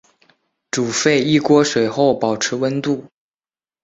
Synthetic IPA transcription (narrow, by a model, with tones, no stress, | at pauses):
ʈ͡ʂu˨˩fe˥˧ɪi˥˩kwɔ˥ʂwe˨˩ɪxo˥˩ʊpɑ˨˩ʊʈ͡ʂʰɻ̩˧˥wə˥nt̪u˥˩